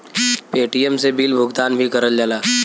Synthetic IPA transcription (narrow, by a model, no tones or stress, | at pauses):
peːʈijəmsebiːlbʱʊɡt̪aːnbʱikɐɾəld͡ʒaːlaː